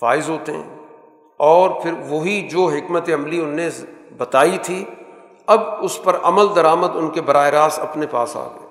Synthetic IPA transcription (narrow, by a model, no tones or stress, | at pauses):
fa̰ːɪzɦoːt̪eɦɛ̰̃ː | ɔːɾpʰɪɾʋoɦid͡ʒoːɦɪkmət̪eɐmliʊnːẽbɐt̪aːit̪ʰi | ɐbʊspɐɾɐməld̪ɐɾaːməd̪ʊnkebɐɾaːeɾaːsɐpnepa̰ːsa̰ːɡə̰eː